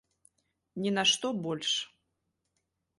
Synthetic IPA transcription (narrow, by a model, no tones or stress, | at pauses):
nʲinaʂt̪ɔbɔlʲʂ